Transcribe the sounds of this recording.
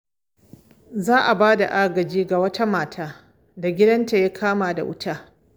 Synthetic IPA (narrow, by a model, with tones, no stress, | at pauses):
zaː˦ʔa˨baː˦da̰˨ʔa˦ɡɐ˨d͡ʒiː˦ɡa˨wɐ˦tʰa˦maː˨tʰaː˦ | da˨ɡʲɪ˦dɐ˦nta˨jaː˦kʰaː˦maː˨da̰˨ʔʊ̰˦tʰaː˦